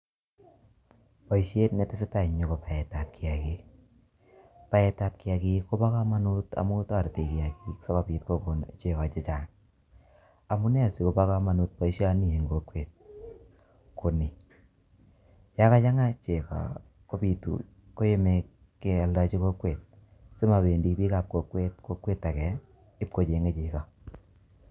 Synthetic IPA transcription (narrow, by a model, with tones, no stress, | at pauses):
pa˨i˨ʃe˦tnɛ˨tɪ˦sɪ˦ta˦˨ɲo˨ko˨pa˨ɛ˨ta˨p̚ki˨a˨ke˨ | pa˦ɛ˨ta˨p̚kɪ˦a˨˧ki˦ko˦pa˦ka˦ma˦nu˦ta̰˨mu˦ta˦˨ɾte˨ki˨a˨ki˨ksɔ˦ka˨pi˨t̚ko˦ko˨nt͡ʃe˨ka˨t͡ʃɪ˦t͡ʃa˨ŋ | a˨mu˦nɛ˦a˨si˨ko˨pa˦ka˦ma˨nu˦t̚pa˨i˨ʃja˦ni˨e˨ŋɡo˨kwe˨t̚ | ko˨ni˨ | ja˦ka˦t͡ʃa˦ŋa˦t͡ʃe˨ka̰˨ | ko˦pi˨tṵ˨ | ko˦je˦me˨kː | e˦a˨lda˦t͡ʃi˦ko˦kwe˨t̚ | sɪ˦ma˨be˨ndi˨˦pi˦ka˨p̚ko˨kwe˦t̚ko˦kweː˦ta˨kɛ˨ | ɪ˦p̚ko˨t͡ʃe˨ŋɡe˦t͡ʃi˨ka˨